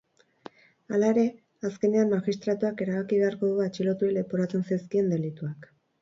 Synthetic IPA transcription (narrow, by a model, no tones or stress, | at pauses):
alae̞ɾe̞ | aske̞ne̞ammaɣist̪ɾat̪uake̞ɾaβakiβe̞aɾko̞ɣoat͡ʃilot̪uele̞poɾat͡senseskie̞nd̪e̞lit̪uak